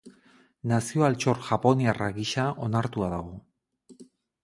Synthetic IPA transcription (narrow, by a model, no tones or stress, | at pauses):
nasio̞alt͡ʃo̞ɾʝapo̞niaraɣiʃaʔo̞naɾt̪uaðaɣ̞o̞